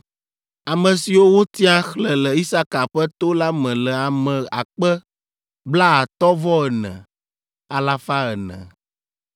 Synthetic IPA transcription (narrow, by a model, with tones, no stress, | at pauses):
a˨mə̃˨si˨wo˦wo˦t̪i˦a˦xlɛ˨lɛ˨i˦sa˦ka˨ɸɛ˦t̪o˦la˦mɛ̃˨lɛ˨a˨mɛ̃˨a̰˨k͡pɛ˦ | bla˦a˨t̪ɔ˦vɔ˦ɛ˨nɛ̰̃˨ | a˨la˦fa˦ə˨nɛ̰̃˨